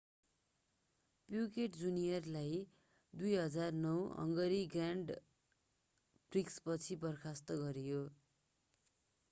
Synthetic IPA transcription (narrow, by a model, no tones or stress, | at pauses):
pjukeʈd͡zunijʌrlaj | d̪ujɦʌd͡zarnʌwʌ̰ŋɡʌɾiɡraɳɖ | b̥rikspʌt͡sʰibʌrkʰast̪ʌɡʌɾijo